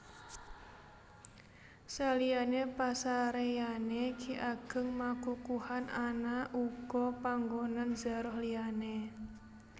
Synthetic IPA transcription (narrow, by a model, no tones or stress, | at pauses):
salijanepasaɾejanekʰiʔaɡ̥ə̤ŋmakukuhanʔanaʔukɔpaŋɡonand͡ʒa̤ɾɔhliane